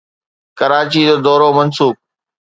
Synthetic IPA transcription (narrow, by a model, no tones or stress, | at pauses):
kəɾaːt͡ɕid͡ʑoːd̪ɔːɾomɐnsuːb̚